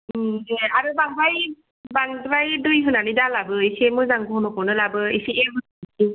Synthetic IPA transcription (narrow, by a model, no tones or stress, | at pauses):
eaɾubaŋbaj | baŋdɾajdujɦɯnanidalabɯisiemɯzaŋbɯɦɔnɔpɔwnɯlabɯisiemɯtki